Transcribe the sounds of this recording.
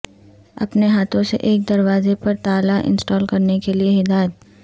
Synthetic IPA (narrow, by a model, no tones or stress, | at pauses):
ɐ̰pneɦaːt̪ʰõsḛʔeːk̚d̪ɐɾwaːzepɐɾt̪aːlaʔɪ̰̃nsʈɔːlkɐɾnekelieɦɪd̪aːjət̪̚